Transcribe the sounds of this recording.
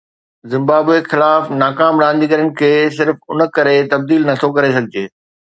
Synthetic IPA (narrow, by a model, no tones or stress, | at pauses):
zɪ̃mbaːbexɪlaːfnaːkaːmɾãːnd̪ikɐɾənɪ̆kʰeːs̬ɪɾfʊnə̆kɐɾet̪ɐb̚d̪iːlnɐt̪ʰokɐɾes̬ɐɡʱɪd͡ʑeː